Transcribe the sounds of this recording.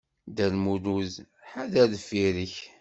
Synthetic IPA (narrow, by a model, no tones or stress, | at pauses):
d̪ælmuluz | ħaðæðfiɾəç